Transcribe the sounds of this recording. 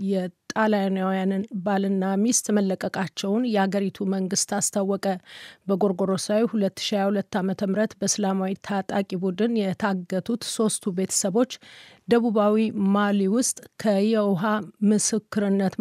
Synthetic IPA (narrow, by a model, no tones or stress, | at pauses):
jɛt̪ʼalajnawjannbalɨnːamist̪məlːəkʼəkʼat͡ʃːɛwnjɛhaɡəɾit̪ʰuməŋɡɨst̪ast̪ʰawːɔkʼəbəɡo̞ɾɡo̞ɾo̞sawihulət̪ːɨ̥ʃiajahulət̪ːamət̪ʰəmɾət̪bəsɨlamawit̪ʰat̪ʼakʼibud̪ɨnjɛt̪ʰaɡːət̪ʰut̪so̞st̪ʰube̞t̪ʰə̥səβo̞t͡ʃːd̪əβuβawimaliwʊst̪ʼkʰəjɛwɦamɨsɨkːɨɾɨnːət̪